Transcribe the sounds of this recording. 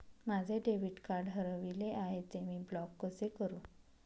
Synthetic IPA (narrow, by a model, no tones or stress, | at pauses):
mad͡zʱeɖeʋiʈkaɾɖɦəɾəʋileʔaɦet͡semiːblɔkːəsekəɾũː